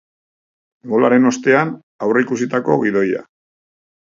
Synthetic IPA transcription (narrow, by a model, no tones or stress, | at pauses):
ɡo̞laɾe̞no̞st̪e̞an | awre̞ikusit̪ako̞ɣiðo̞ja̰